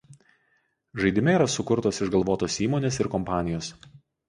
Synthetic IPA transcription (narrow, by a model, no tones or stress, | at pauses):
ʒɐɪd̪ʲɪmʲɛiːɾɐsʊkʊɾt̪oːsɪʒɡɐlˠʋoːt̪oːsiːmoːnʲeːsɪɾkɔmpɑːnʲɪjoːs